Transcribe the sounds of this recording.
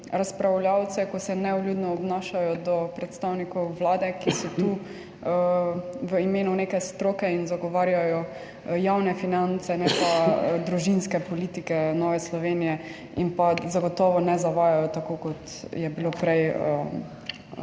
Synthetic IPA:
ɾaspɾawljawt̪sɛkɔsɛnɛɔljud̪nɔːbnaʃajɔd̪ɔpɾɛt̪st̪awnikɔwʋlaːd̪ɛkisɔt̪uː | ʋəimeːnuneːkɛst̪ɾoːkɛinzaɡɔʋaːɾjajɔ | jawnɛfinant̪sɛnɛpad̪ɾuʒinskɛpɔlit̪ikɛnɔːʋɛslɔʋenijɛ | inpazaɡɔt̪ɔːʋɔnɛzaʋaːjajɔt̪akokɔt̪ | jɛbilopɾɛjə̰

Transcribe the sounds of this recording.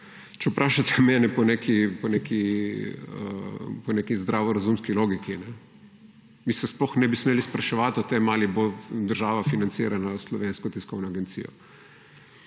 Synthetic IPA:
t͡ʃɛpɾʔaːʃat̪ɛ̥mɛːnɛpɔnekʰipɔnekʰi | ə̰pɔnekizd̪ɾaːʋɔɾazumskiloːɡikinɛ | misɛsplɔxnɛbismeːlispɾaʃɛʋat̪ɔt̪emaːlibod̪əɾʒaːʋafinant̪sḭːɾanaslɔʋeːnskɔt̪iskɔwnɔaɡent̪sḭːjɔ̰

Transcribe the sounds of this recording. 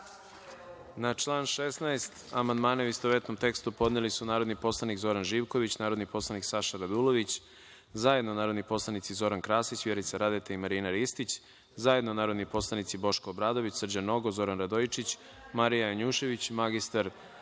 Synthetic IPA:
nat͡ʃlˠaːnʃesnaest̪amand̪maːnauist̪oʋet̪nomt̪e̞kst̪upo̞d̪nelisunaːɾo̞d̪nipo̞slˠanikzo̞ɾanʒiːʋko̞ʋit͡ɕnaːɾod̪nipo̞slˠaniksaʃaɾad̪ulˠo̞ʋit͡ɕ | zaje̞d̪nonaːɾo̞d̪nipo̞slˠanit̪sizo̞ɾankɾaːsit͡ɕʋjeɾit̪saɾad̪et̪eimaɾinaɾist̪it͡ɕ | zajed̪nonaːɾod̪nipo̞slˠanit̪sibo̞ʃkoːbɾaːd̪o̞ʋit͡ɕsr̩d͡ʑano̞ɡozo̞ɾanɾad̪oit͡ʃit͡ɕ | maɾijajaɲuːʃe̞ʋit͡ɕmaɡist̪aɾ

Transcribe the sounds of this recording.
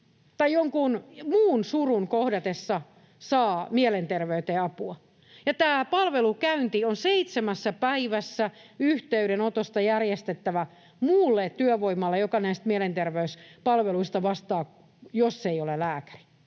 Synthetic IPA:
t̪ɑjjoŋkunmuːnsurunkohdɑt̪esːɑ | sɑːmielent̪erʋeyt̪eːɑpuɑ | jɑt̪æːpɑlʋelukæynt̪ionseit̪semæsːæpæiʋæsːæyht̪eyɾenot̪ost̪ɑjærjest̪et̪ːæʋæ | muːlːet̪tyøʋoimːɑlːejokɑnæist̪mielent̪erʋeyspɑlʋeluist̪ɑʋɑst̪ɑː | josːeiolelæːkæ̥ri̥

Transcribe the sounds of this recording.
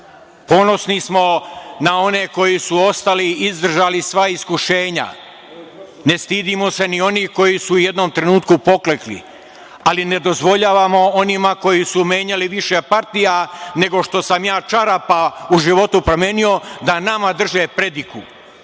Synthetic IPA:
po̞no̞snismo̞nao̞ne̞ko̞jisuo̞st̪aliizd̪r̩ʒaːlisʋaiskuʃe̞ːɲa̰ | ne̞st̪iːd̪imo̞se̞nio̞niːko̞jisuːje̞d̪no̞mt̪ɾe̞nuːt̪kupo̞kleklḭ | aline̞d̪o̞zʋo̞ʎaːʋamo̞o̞nimako̞jisumeːɲaliʋiʃe̞paɾt̪ijane̞ɡo̞ʃt̪o̞samjaːt͡ʃaɾapauʒiʋo̞t̪upɾomjeːnio̞d̪anamad̪r̩ʒepɾe̞d̪ikṵ

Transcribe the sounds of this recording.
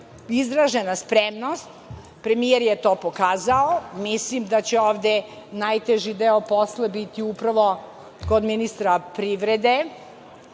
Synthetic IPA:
izɾaʒenaspɾemnost̪ | pɾemijeɾjet̪oːpokaːzaomislimd̪at͡ɕeoːʋd̪e | najt̪eʒid̪eoposlabit̪iupɾaʋo̞ | kod̪minist̪ɾapɾiʋɾed̪e

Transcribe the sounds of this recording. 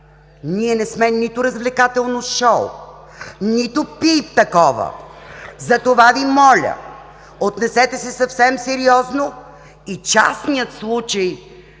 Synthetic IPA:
niɛnɛsmɛnit̪ʊɾəzvlɛkat̪ɛlˠnoʃɔw | nit̪ʊpip̚t̪ɐkɔvə̰zɐt̪ovavimɔlʲə̰ | ot̪nɛsɛt̪ɛsɛsɐfsɛmsɛɾiɔzno | it͡ʃa̰snijət̪slˠut͡ʃəj

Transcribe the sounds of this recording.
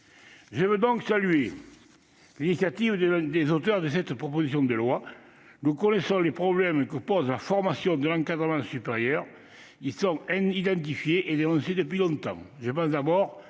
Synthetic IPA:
ʒəvød̪ɔ̃ŋksalye | linisjat̪ivəəd̪ezot̪œʁd̪əsɛt̪pχɔpozis̬jɔ̃d̪əlwa | nukɔnesɔ̃lepχɔblɛmkəpɔzəlafɔʁmasjɔ̃d̪əlɑ̃ŋkad̪ʁəmɑ̃sypeʁjœʁ | ilsɔ̃id̪ɑ̃t̪̬ifjeʔed̪enɔ̃sed̪əpɥilɔ̃t̪ɑ̰̃ŋʒəp̬ɑ̃sd̪abɔʁ

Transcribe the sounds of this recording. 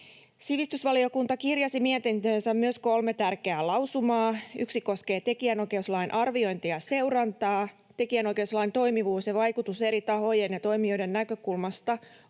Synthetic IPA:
siʋist̪ysʋɑlio̞kunt̪ɑkirjɑsimiet̪int̪øːnsæmmyøsko̞lmet̪ærkeæːlɑwsumɑːyksiko̞ske̞ːt̪e̞kiænojke̞uslɑjnʔɑrʋio̞jnt̪iɑse̞wɾɑnt̪ɑː | t̪e̞kiænojkeuslɑijnt̪o̞jmiʋuːsjɑʋɑjkut̪use̞ɾit̪ɑɦo̞jenjɑt̪o̞imio̞jdennækø̞kulmɑst̪ɑ

